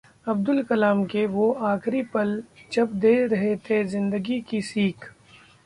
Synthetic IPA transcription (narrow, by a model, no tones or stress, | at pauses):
ɐb̚d̪ʊlkɐlaːmkeʋoaːkɾipɐld͡ʒɐbd̪eːɾɐɦet̪ʰezɪ̃nd̪əɡikisiːkʰ